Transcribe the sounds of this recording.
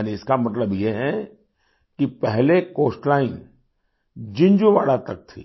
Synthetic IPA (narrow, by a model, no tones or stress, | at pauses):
niɪskamɐt̪̬ləbjeɦɛ | kipɛɦlekoːsʈlaːɪn | d͡ʒɪ̃ɲd͡ʒũʋa̰ːɽat̪ɐk̚t̪ʰḭː